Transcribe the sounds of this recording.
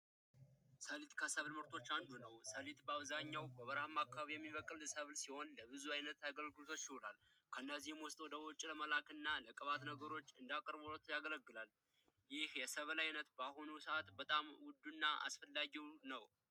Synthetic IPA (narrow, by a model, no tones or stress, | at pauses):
səlit̪kʰəsəβlməɾt̪ʰo̞t͡ʃːand̪unəwsəlit̪bəaβzaɲːawbəβəɾhamakːaβaβijɛmːiβəkʼlsəβlsiho̞nləβɨzuajnət̪aɡəlɡɨlot̪ʰot͡ʃːɪhulal | kʰəɨnːəzihɛmwɔst̪ʼwɔd̪əwɔt͡ʃʼiləməlakʰɨnːaləkʼəβat̪nəɡəɾo̞t͡ʃːɨnd̪akʼəɾβolot̪ʰjaɡələɡːɨlal | jɪhjɛsəβlajnət̪bahonusəat̪bət̪ʼamwʊd̪unːaʔa̰sfəlːaɡiwnəw